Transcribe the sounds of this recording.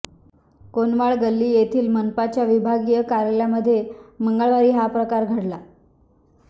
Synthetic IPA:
konʋaɭɡəlːiːjet̪ʰiːlmənpat͡ɕjaʋibʱaɡijəkaɾeljaməd̪ʱːjeməŋɡəɭʋaɾiːɦapɾəkaɾɡʱəɽla

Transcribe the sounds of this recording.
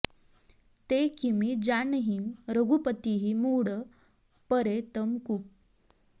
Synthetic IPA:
t̪ekimid͡zaɳəɦimɾəɡupət̪iɦimuɽə | pəɾet̪əmkup̚

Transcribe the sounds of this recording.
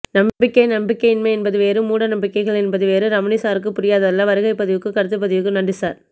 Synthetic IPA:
nɐmbɪkːɐɪnɐmbɪkːɐɪɪnmɐɪɛnbɐðɯʋeːɾɯmuːɽɐnɐmbɪkːɐɪɣɐɭɛnbɐðɯʋeːɾɯɾɐmɐnɪsaːɾɯkːɯpʊɾɪjaːðɐɐlːɐʋɐɾɯɣɐɪpːɐðɪʋɯkːɯkɐɾɯt̪ːɯp̬ːɐðɪʋɯkːɯnɐɳɖɯsaːɾ

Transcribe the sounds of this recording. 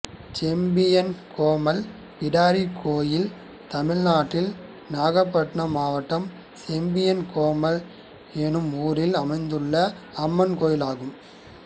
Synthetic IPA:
t͡ʃɛmbɪjɐnkʰoːmɐl | pɪɽaːɾikʰoːjɪl | t̪ɐmɪɻnaːʈːɪl | naːɣɐpːɐʈɳɐmaːʋɐʈːɐm | t͡ʃɛmbɪjɐnkoːmɐl | ɛnɯmuːɾɪlɐmɐɪnd̪ɯɭːɐ | ɐmːɐnkoːjɪlaːɣɯm

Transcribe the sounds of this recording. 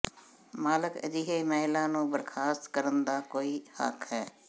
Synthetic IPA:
maːləkə̰d̪iːɦeiməɦɪlãːnũːbəɾkʰaːst̪kəɾənd̪aːkoːiːhə̰kʰhɛː

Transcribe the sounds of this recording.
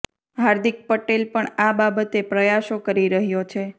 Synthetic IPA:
ɦaɾd̪ik̚pəʈelpəɳababət̪epɾəjaʃokəɾiɾəɦjot͡ʃʰe

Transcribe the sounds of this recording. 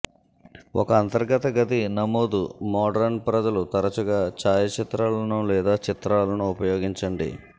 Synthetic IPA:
wɔ̰kɐːnt̪ɐɾɡɐt̪ɐɡɐt̪̬inɐmoːd̪umɔːɖɐɾnpɾɐd͡ʒɐlut̪ɐɾɐt͡ʃuɡaːt͡ʃaːjɐt͡ʃit̪ɾaːlɐnulɛːd̪aːt͡ʃit̪ɾaːlɐnuːpɐjoːɡiɲt͡ʃɐɳɖḭ

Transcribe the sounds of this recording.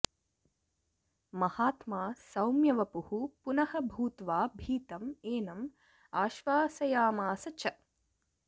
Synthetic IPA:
mɐhaːt̪maːsɐwmjɐʋɐpuhupunɐhɐbʱuːt̪ʋaːbʱiːt̪ɐmeːnɐm | aːʃʋaːsɐjaːmaːsɐt͡ʃʰɐ

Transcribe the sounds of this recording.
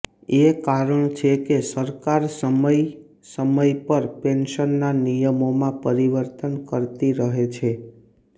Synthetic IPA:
ekaɾəɳt͡ʃʰekesəɾkaɾsəməj | səməjpəɾpenʃənːanijəmomãpəɾiʋəɾt̪ənkəɾt̪iɾəɦet͡ʃʰe

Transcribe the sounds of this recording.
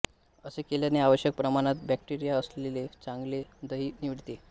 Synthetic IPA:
əsekeljaneaʋəɕjək̚pɾəmaɽ̃at̪̚bæk̚ʈiɾijaəslelet͡saŋɡled̪əɦiːniʋiɽt̪e

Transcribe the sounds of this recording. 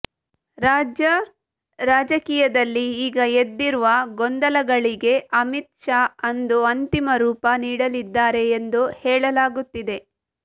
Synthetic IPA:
ɾaːd͡ʒɐ | ɾaːd͡ʒɐkiːjɐd̪ɐlːiiːɡɐed̪ːiɾuʋɐɡond̪ɐlɐɡɐɭiɡe̞ʔɐmit̪ʂaɐnd̪uɐnt̪imɐɾuːpɐniːɽɐlid̪ːaːɾe̞ːnd̪uhɛːɭɐlaːɡut̪ːid̪e̞

